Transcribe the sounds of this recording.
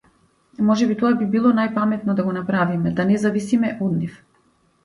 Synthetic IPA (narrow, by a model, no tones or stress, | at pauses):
mɔʒɛbit̪ɔabibilˠɔnajpamɛt̪nɔd̪aɡɔnapɾavimɛd̪anɛzavisimɛʔɔd̪nif